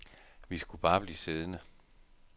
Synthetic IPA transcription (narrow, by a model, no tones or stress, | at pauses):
ʋisɡ̥ub̥ɑ̈ːb̥liːse̝ð̞ˠnə